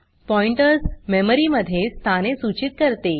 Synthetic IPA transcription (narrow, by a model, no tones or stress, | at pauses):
pɔiɳʈəɾsmeməɾiməd̪ʱjest̪ʰañesut͡ɕit̪̚kəɾt̪e